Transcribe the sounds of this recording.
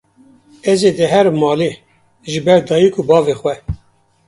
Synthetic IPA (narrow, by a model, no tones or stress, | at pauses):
ɛzeːd̪ɛɦɛɾmɑːle | ʒɨbɛɾd̪ɑːjikʰubɑːvexwɛ